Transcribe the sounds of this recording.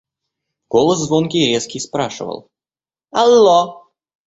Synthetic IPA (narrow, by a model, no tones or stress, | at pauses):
ɡ̥olˠəszvonkʲɪɾʲeskʲɪspɾaʂɨ̰və̰lˠ | ɐlˠːo